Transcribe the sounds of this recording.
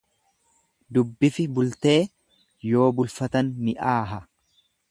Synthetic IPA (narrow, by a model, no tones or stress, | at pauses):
d̪ʊbːɪfɪbʊlt̪e̞ː | jo̞ːbʊlfɐt̪ɐnmɪʔaːɦɐ